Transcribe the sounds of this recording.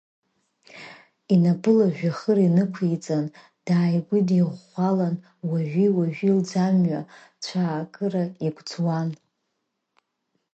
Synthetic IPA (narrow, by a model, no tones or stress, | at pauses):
inabɨlaʒᶣaχərinɨkʷʰejt͡sʼan | d̥aːjɡʷidiʁːʷalan | waʒʷᶣiwaʒᶣild͡zamɥa | t͡ɕʷʰaːkʼɨraiɡʷʰʼd͡zwan